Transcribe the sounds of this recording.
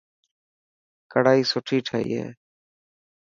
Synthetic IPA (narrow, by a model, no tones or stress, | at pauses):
kəɽaːiːsʊʈʰiːʈʰaːḭːɦḛː